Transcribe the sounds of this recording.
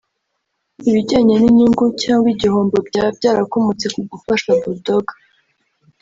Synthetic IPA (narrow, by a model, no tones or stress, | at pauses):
iβiɟaːɲeniɲiŋɡucaːŋɡwiɟiho̞ːmbo̞bɟaːb̚ɟaːɾakomut͡se̞kuɡufaʃaβudoɡḁ